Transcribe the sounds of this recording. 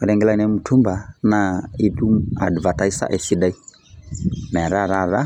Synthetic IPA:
ɔ˨ɾɛ˨ŋɡɛ˦la˦nɛ˨˦mu˨tʰu˦mba˨na˨i˦tʼu˦a̰˨dva˨ta˨˦i˦sa̰ʔɛ˨si˦da˦i˦ | mɛ˨ɾa˦ɾa˦˨ɾa˦

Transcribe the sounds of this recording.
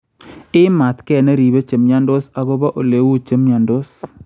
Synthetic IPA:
ɪ˦ma˨t̪kɛ˦˨ne˦ɾi˨be˦t͡ʃe˨mɲa˦ndo˦sa˨ɡo˦ba˦ʔo˨le˨wu˦t͡ʃe˦mɲa˨ndo˦s

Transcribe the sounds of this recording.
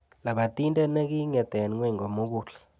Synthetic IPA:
la˨ɓa˨tʼi˦ntʼɛ˦ne˦k̬i˦ŋɛ˨d̥ʱɛ˨n˨ŋwɛ˦ŋo˨mu˦k̬uː˨ɬɛ̥˨

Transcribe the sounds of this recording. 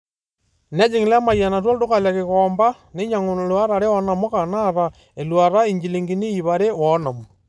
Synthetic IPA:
nɛ˦d͡ʒi˨ŋ˨la˦ma˨ja˨na˨t̬wa˦lto˦ka˨lja˨ke˨kɔmba˦ | ne˦ɲa˨ŋo˨n˨lwa˦ɾa˨ɾe˦ɔ˨na˨mo˦ka˨na˦ɾa˨ | e˨lwa˨ɾa˦i˨ɲd͡ʒi˨li˨ŋɡi˨ni˦i˨βa˨ɾe˦wɔ˨na˨mo˨

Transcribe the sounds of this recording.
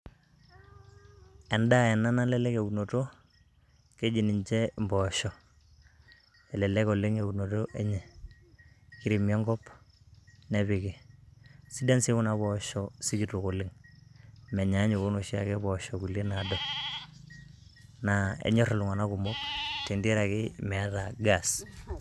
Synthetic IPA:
ɛ˨nda˦ɛ˨na˦na˦lɛ˦lɛ˦ke˨u˨no˨to˦ | ke˦d͡ʒi˨ni˨ɲt͡ʃɛ˦mbɔ˨ʃɔ˨ | ɛ˨lɛ˨lɛ˦ko˨lɪ˦ŋe˨u˨no˨to˦ʔe˦ɲɛ˨ | ki˨˦ɾi˨mjɔ˦ŋɡɔ˦p | nɛ˨βi˨ki˨ | si˦da˦nsi˦ku˦na˨˦βɔ˨ʃɔ˦si˦d͡ʒi˨to˨ko˨lɪ˦ŋ | mɛ˨ɲa˨˦ɲu˨ko˦no˨ʃi˦a˨kɛ˦bɔ˨ʃɔ˨ku˨le˦na˨dɔ˨ | na˨ḛ˨ɲɔ˦ɾɔ˨lu˨ŋa˨na˦ku˨mo˦kti˨ndi˦ɾa˨kɪ˦mɛ˨˦ta˨ɡa˨s

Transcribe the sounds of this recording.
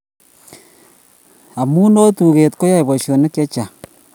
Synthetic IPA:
a˨mu˦no˦tu˨ɣe˨tko˦ja˦i˨βa˨ʃo˨ne˦kjo˦t͡ʃa˨

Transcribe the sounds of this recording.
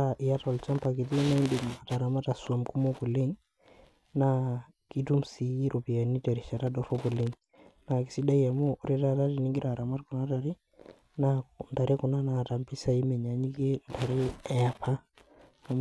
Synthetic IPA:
aʔi˨ja˦tɔ˨lt͡ʃa˦mpa˨ki˨t̬i˦na˦i˦ndi˨ma˨ta˨ɾa˨ma˦ta˨swa˨mku˦mɔ˦ku˨le˦ŋ | na˦ | ki˦tu˦msi˨ji˦ɾu˨pi˨a˨ni˦ta˨ɾi˨t͡ʃa˨ta˦dɔ˦fɔ˦pu˨li˦ŋ | na˨ki̥˨si˦da˦ja˨mɔ˦ʔːɾi˦ta˦ta˦ɾi˨ni˦ŋɡi˦ɾa˨ɾa˨ma˦t̚ku˨na˦ta˨ɾi˦ | na˦nta˨ɾi˦kɔ˨na˦na˨ta˨mpi˦sa˦i˦mɛ˨ɲa˨ɲi˦ke˦nta˨ɾi˦ɛ˨a˨pʰaː˦˨ | m

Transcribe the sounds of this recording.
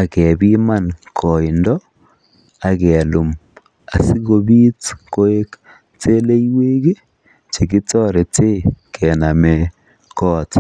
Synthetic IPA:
a˨kɛ˨bi˦ma˦nkʰɔ˨ɪ˨ndɔ˦ | a˨kɛ˨lu˨m | a˨si˦ɣo˨bi˦tko˦e˦k | te˦le˦jwe˦ɡe˦ | t͡ʃe˨ki˦tɔ˦ɾe˨te˦kʰɛ˨na˨mɛ˨ | kɔː˦t

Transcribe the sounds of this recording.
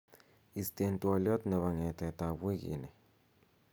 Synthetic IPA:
i˨ste˨ntwɔ˨ljɔ˦tnɛ˨βa˨ŋɛ˨tɛ˨ta˨be˦ɡḭ˨nɛ˨

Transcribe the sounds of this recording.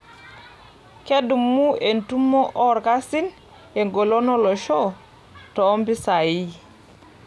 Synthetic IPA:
ke˦du˨mːu˦e˨ntu˦mːɔ˦ʔɔ˦ɾka˦si˦n | e˨ŋɡo˨lo˦nɔ˦lo˨ʃo˦ | toː˨˦mbi˦sa˨ji˦

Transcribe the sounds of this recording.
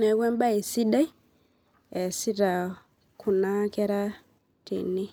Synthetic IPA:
ɛ˨wwɛ˦mba˦i˨si˦ɗa˦ | ɛ˨si˦ɾa˨ | kʰu˨na˦kɛ˦ɾa˦ | tḭ˨ni˦

